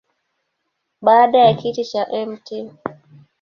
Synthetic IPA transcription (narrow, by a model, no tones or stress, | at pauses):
ɓaːɗajakitit͡ʃaʔɛmti